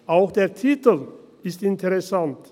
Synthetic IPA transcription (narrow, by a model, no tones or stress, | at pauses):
ʔaʊxd̥eːɐtʰiːtəl̩ɪstɪntʰɛʁɛsant